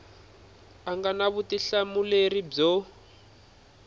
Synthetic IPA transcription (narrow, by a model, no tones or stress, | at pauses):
aŋɡanaβutiɬamulerib͡ʐɔ